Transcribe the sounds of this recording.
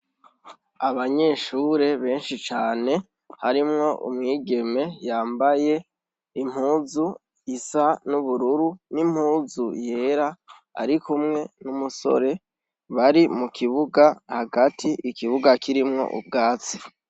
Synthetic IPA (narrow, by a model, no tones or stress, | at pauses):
aβaɲe̞ːʃuːɾe̞βe̞ːnʃit͡ʃaːne̞ | haɾimŋo̞ʔṵmŋiːɡe̞me̞jaːmbaje̞ | im̥huːzu | isanuβuɾuɾunim̥huːzuje̞ːɾa | a̰ɾikumŋe̞numuso̞̰ɾe̞ | βaɾimukʰiβuɡahaɡatʰiʔikiβuɡakʰiɾimŋo̞̰ʔṵb̚ɡaːt͡si̥